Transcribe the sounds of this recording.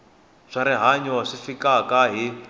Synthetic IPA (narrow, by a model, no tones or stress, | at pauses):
ʂaɾiɦaɲaʂifikakaɦi